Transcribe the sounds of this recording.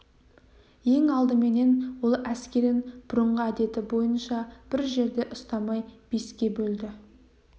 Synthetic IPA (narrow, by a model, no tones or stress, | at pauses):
je̞ŋɑlˠd̪əme̞ne̞nwo̞lˠæskʲe̞ɾɪnb̥ʊɾəɴʁəæd̪e̞t̪ɪbo̞jənʃɑb̥ɪɾʒe̞ɾd̪e̞ʔʊst̪ɑmɑjb̥e̞skʲe̞bɵld̪ɪ